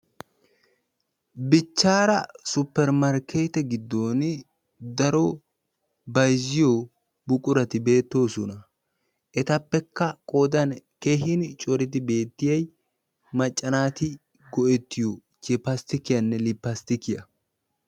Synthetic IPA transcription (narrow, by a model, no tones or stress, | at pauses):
bɪt͡ʃːaːɾɐsʊpːɛɾmɐɾkʰeːt̪ɛɡɪd̪ːo̞ːn | d̪ɐɾo | bɐjzɪjoː | bʊkʼʊɾɐt̪ɪbe̞ːt̪ːo̞ːsɔnɐ | ʔɛt̪ɐpːɛkːɐkʼo̞ːd̪ɐnkeːɦɪnt͡ʃʼɔɾɪt̪̬ɪbe̞ːt̪ːɪjɐj | mɐt͡ʃʼːɐnaːt̪ɪ | ɡɔʔɛt̪ːɪjo | t͡ʃɛpːɐst̪ɪkɪjɐnːɛlɪpːɐst̪ɪkɪjɐ